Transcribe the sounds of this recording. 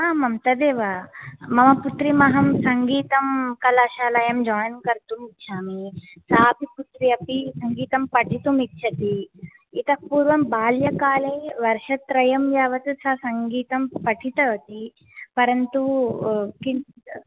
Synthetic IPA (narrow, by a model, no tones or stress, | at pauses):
aːmɐmt̪ɐd̪eːʋamɐmɐput̪ɾimɐɦɐmsɐŋɡiːt̪ɐmkɐlaːʃaːlɐjɐmd͡ʒaːjɐnkɐɾt̪umitːʃʰaːmisaːpiput̪ɾiɐpisɐŋɡiːt̪ɐmpɐʈʰit̪umitːʃʰɐt̪iː | t̪ɐpuːɾʋɐmbaːljɐkaːleʋɐɾʃɐt̪ɾɐjɐmjaːʋɐt̪usɐsɐŋɡiːt̪ɐmpɐʈʰit̪ɐʋɐt̪i | pɐɾɐnt̪u | ki